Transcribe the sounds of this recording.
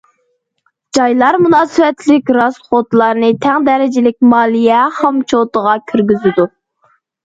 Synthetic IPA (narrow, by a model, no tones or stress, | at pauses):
d͡ʒɑjlˠɑɾmunɑːsɨwɛt̪lɪkʲɾɑsχot̪lˠɑɾnɨt̪ʰæŋd̪ɛɾɪd͡ʒɪlɪk̚ʲmɑːlˠijɛhɑmt͡ʃʰot̪əʁɑkʲʰyɾɡʲyzɪd̪u